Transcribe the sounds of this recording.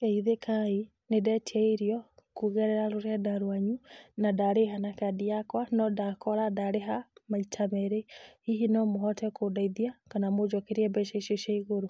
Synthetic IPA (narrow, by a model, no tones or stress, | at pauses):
kɛiðekʰai | nedɛtʰiɛiɾiɔkuɣɛɾɛɾaɾoɾɛdaɾwaɲunadaɾeɦanakadiakwanɔdakɔɾadaɾeɦamaitʰamɛɾeiɦinɔmoɦɔtɛkʰodaiðiakanamod͡ʒɔkeɾiɛbɛʃeʃeʃaiɣoɾo